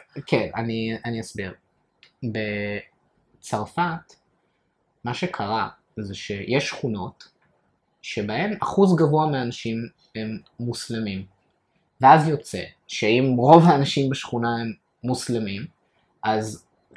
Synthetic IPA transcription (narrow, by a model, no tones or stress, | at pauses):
kʰena̰nianiasbiʁ | be | t͡saʁfat | maʃekʰaʁa | zeʃe̞jʔeʃːχuno̞t | ʃe̞bahe̞maχuzɡavuameanaʃim | emː | uslemim | veazjo̞t͡se̞̰ | ʃeimʁo̞vaːnaʃimbeʃχunae̞mː | uslemim | ʔaz